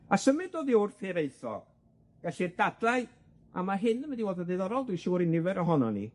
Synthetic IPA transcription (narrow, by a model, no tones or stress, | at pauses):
asəmɪdoːðiɔrfeɾeɨθɔ̰ɡ̥ | ɡ̥aɬird̥ad̥lˠaɨ | a̰maɦɨnəmɛdiwɛlˠdədejðɔɾɔlˠdwiʃuːɾinɪvɛɾɔɦɔnɔnḭ